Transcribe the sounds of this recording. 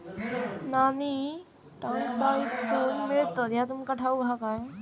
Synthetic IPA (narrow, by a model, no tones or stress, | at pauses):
naːni | ʈaːnsaːid̪suːnmɪɭt̪əd̪jat̪umkaʈʰauɡʱakaːjõ